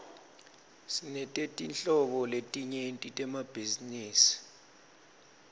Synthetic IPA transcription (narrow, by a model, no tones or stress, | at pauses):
sinɛtʼetʼint͡ɬʼɔɓɔletʼiɲentʼitʼɛmab̥ʱiziniːsi̥